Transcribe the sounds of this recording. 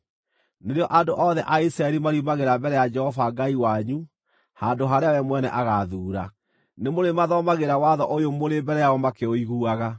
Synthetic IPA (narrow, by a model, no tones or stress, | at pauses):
neɾeɔʔandoʔɔðɛʔaisɾaɛɾimaɾimaɣeɾambɛɾɛjad͡ʒɛhɔvaɡaiwaɲu | handoɦaɾeawɛmwɛnɛ̰ʔaɣaðuːɾa̰ | nemoɾemaðɔmaɣeɾawaðɔʔojomoɾembɛɾɛjaɔmakeoiɣuaɣa